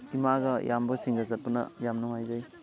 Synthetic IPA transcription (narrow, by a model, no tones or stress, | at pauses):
imaɡɐjambɐsiŋɡɐzɐt̚pɐnɐ̰jamnuŋajzaj